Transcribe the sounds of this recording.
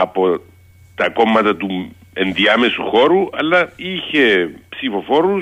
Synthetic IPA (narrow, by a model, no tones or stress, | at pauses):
ɐpo̞ | t̪ɐko̞mːɐt̪ɐt̪u | enðiɐmesṵxo̞ɾuɐlːɐiçe̞psifo̞fo̞ɾu